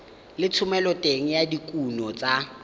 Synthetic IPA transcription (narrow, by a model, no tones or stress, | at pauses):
lɪt͡sʰʊmɛlɔtʼeŋ̩jadikʼunɔt͡sʼa